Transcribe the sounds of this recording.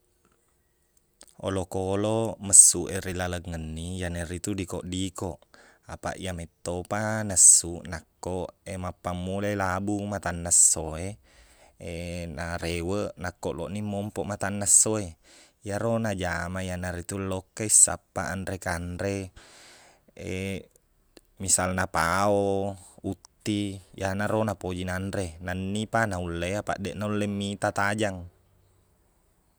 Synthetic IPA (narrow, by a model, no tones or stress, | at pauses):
o̰lokoloməsːuʔeɾilaləŋːənːijanerit̪udikoʔdikoʔapa̰ʔḭamet̪ːopanəsːuʔnakːoʔemapːamːulelabumat̪anːasːoe | enaɾewəʔnakːoʔlo̰ʔnimːɔmpɔʔmat̪anːasːoe | jaɾonad͡ʒamajanaɾit̪ulːokːaisːa̰pːa̰ʔanɾekanɾe | ḛ | misalnapaoout̪ːijanaɾonapod͡ʒinanɾenanːipanaulːeapa̰ʔdeʔnaulːemːit̪at̪ad͡ʒaŋ